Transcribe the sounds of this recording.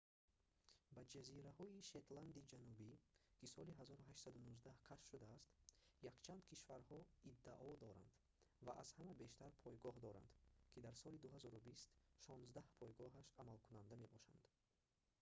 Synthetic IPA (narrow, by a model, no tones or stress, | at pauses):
bad͡ʒaziɾahɔiʃe̞t̪land̪id͡ʒanubikʰisɔliɦazɔɾuɦaʃt̪sad̪unuzd̪ahkʰaʃʃud̪aːst̪jakt͡ʃʰand̪kʰiʃvaɾhɔid̪ːaʔɔd̪ɔɾa̰nd̪ | vaʔa̰z̥hamabe̞ʃt̪aɾpʰɔjɡɔɦd̪ɔɾa̰nd̪kʰid̪aɾsɔlid̪uɦazɔɾubist̪ʃɔnzd̪ahpʰɔjɡɔɦaʃamalkʰunand̪amebɔʃa̰nd̪̥